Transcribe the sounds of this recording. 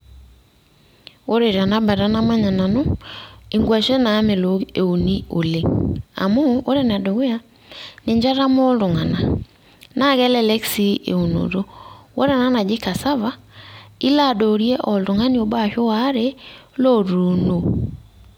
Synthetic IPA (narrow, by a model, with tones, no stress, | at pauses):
o˦ɾe˨ɾa˨na˦ba˨ɾa˦na˦ma˦ɲa˨na˨no˦i˨ŋɡwa˨ʃe˦naː˨˦me˨lo˨e˨o˨ni˦o˨le˦a̰˨moː˦ɾe˦n˨a˨do˨ɣe˦ja˦ | ne˨ɲd͡ʒa˦ɾa˦mo˦ldo˨ŋa˨na˨ | na˦ɣɛ˦lɛ˦lɛ˦ksi˦ḛ˨o˨no̰˨ɾo˦wo˦ɾe˦˨na˦na˨d͡ʒi˦ka˨sa˦βa˦ | i˦la˦˨dɔ˨ɾje˦ʔɔ˨ldo˨ŋa˦ni˦o˨ba˦˨ʃo˦wa˦ɾe˦lɔ˦ɾo˨no˨